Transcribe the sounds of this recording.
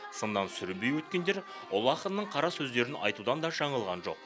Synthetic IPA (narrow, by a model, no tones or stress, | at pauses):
sənd̪ɑnsʏɾbejwɵt̪kʲe̞nd̪e̞ɾ | ʊlˠɑqəənəɴqʰɑɾɑsɵzd̪e̞ɾɪnɑ̰jt̪ud̪ɑnd̪ɑʒɑɴəlˠʁɑnʒo̞̰q̚